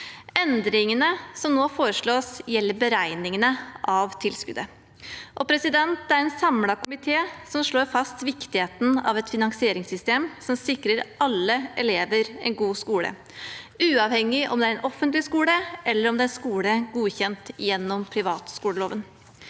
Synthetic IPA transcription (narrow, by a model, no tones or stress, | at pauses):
ɛnd̪ɾɪŋənəsɔmnoːfoːɾəʂɭoːsjɛlːəɾbəɾæɪnɪŋənəʔɑʋt̪ʰɪlskʉ̰d̪ə | ʔɔpʰɾɛsɪd̪ɛnt̪æɾɛnsɑmlɑkʊmɪt̪ʰeːsɔmʂɭoːɾfɑst̪ʋɪkt̪ɪheːt̪n̩ɑ̰ʋɛt̪fɪnɑŋsɪeːɾɪŋsʏst̪eːmsɔmsɪkɾəɾɑlːəɛleːʋəɾɛ̰ɪnɡuːskuːɽə̰ | ʉːɑʋhɛŋːɪʔɔ̰md̪ɛæɾɛnʔɔfːənt̪lɪskuːləʔɛlːəɾɔmd̪ɛnskuːləɡuːçɛnt̪jɛnːɔmpʰɾɪʋɑːt̪skuːləloːʋən